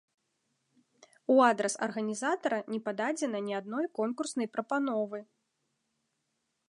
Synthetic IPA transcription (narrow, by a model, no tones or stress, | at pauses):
uad̪ɾɛsɐ̰rɣɐnʲizat̪ɐɾɐnʲɛpad̪ad͡zʲɛnɐnʲiad̪nɔjkɔnkursnɐjpɾɐpan̪ɔvɨ